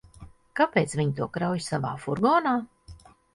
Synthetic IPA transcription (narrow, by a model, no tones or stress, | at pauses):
kapeːt̪sviɲt̪uɔkɾawjsava̰ːfuɾɡɔːnaː